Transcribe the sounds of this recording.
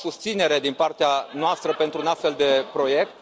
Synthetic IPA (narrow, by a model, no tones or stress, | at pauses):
sust̪sine̞ɾe̞d̪inpart̪eanoast̪ɾəpe̞nt̪ɾuːnast̪fe̞ld̪e̞pɾo̞je̞k̚t̪